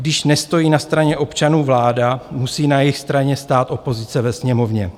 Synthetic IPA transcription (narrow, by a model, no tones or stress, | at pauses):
ɡdɪʃnɛst̪o̞jiːnast̪ɾaɲɛʔo̞pt͡ʃanuːvlaːdamusiːnajɪxst̪ɾaɲɛst̪aːt̪ʔo̞po̞zɪt͡sɛvɛsɲɛmo̞vɲɛ